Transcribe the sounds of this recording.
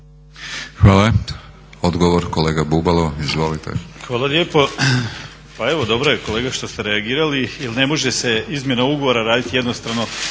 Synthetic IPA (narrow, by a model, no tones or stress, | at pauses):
xʋaːla | od̪ɡoʋoɾkoleːɡabubalˠoizʋolit̪ʰḛxʋaːlˠalʲje̞ːpo̞ | paeʋo̞d̪o̞bɾojeko̞le̞ːɡaʃt̪ost̪eɾeaɡiːɾaliilne̞mo̞ʒe̞se̞izmje̞nauɡoʋo̞ɾaɾaːd̪it̪ije̞d̪nost̪ɾaʋno̞